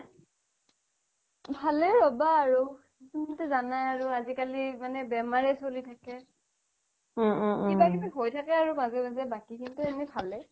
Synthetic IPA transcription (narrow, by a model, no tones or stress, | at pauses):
bʱalɛɹɔbaːɹu | kuntɛzanajaɹuazikalimanɛbɛmaɹɛsolitʰakɛ | ibakibɛɦojtʰakɛaɹumazɛmazɛbakikintuɛnɛbʱalɛ